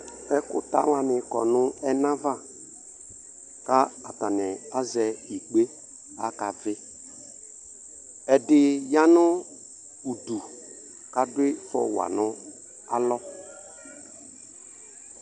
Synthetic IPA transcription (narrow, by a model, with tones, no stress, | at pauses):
ɛ˦kʊ̰˦ta̰˨˦wa˨nɪ˨kɔ˨nʊ˦ɛ˦nã˦va˦˨ | ka˦a˨ta˨nɛ˨a˦zɛ˨i˨k͡pe˦ | a̰˦ka˨vɪ˦ | ɛ˨dɪ˨ja˦nʊ˦ | u˨du˨ | ka˦dʊ˦ɪ˦fɔ̰˨wa̰˨nʊ̃˦ | a˦lɔ˦